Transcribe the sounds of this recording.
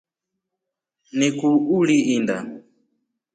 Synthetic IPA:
nikuuliinda̰

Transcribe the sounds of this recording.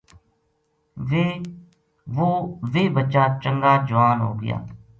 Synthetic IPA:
ʋe | ʋoːʋeːbətːt͡ʃaːt͡ʃəŋɡaːd͡ʒʊʋaːnɦo̰ːɡɪ̰ja̰ː

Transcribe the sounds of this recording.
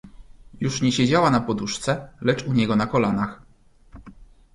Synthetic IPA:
juʂɲɛɕed͡ʑawanapɔd̪uʂt̪sɛlɛt͡ʂuɲɛɡɔnakɔlanax

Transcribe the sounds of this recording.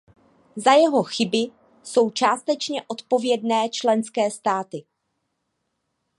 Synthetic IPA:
zajɛɦo̞xɪbɪ | so̞wt͡ʃaːst̪ɛt͡ʃɲɛʔo̞t̪po̞vjɛdnɛːt͡ʃlɛnskɛːst̪aːt̪ɪ

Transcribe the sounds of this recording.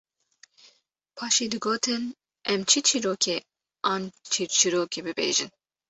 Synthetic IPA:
pʰɑːʃiːd̪ɨɡoːt̪ʰɨn | ɛmt͡ʃʰit͡ʃʰiɾoːkʰe | ɑːnt͡ʃʰit͡ʃʰiɾoːkʰebɨbḛːʒin

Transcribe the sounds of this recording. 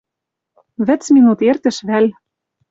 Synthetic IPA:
βɘ̆t͡sminut̪ert̪ɘ̆ʃβælʲ

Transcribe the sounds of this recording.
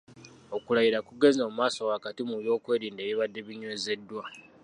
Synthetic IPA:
o̞kulajiɾakuɡe̞zoːmumaːso̞wakatimuβjo̞ːkwe̞ːɾiːndeβiβadːe̞βiɲweːze̞dːwa

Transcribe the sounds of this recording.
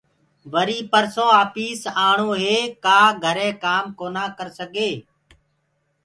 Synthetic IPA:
ʋəɾiːpəɾsõːaːpiːsaːɳ̤oːɦeːkaːɡʱəɾẽːkaːmkoːnaːkəɾsəɡʱeː

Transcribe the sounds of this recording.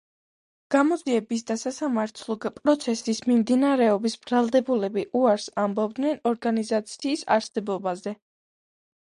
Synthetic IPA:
ɡ̥amɔd̪ziɛbisd̪asasamaɾt̪ʰlˠɔɡpʼɾɔt̪sʰɛsismimd̪inaɾɛɔbisb̥ɾalˠd̪ɛbulɛbiʔuaɾsambɔb̚d̪nɛnɔɾɡanizat̪sʰiːsa̰ɾsɛbɔbazɛ

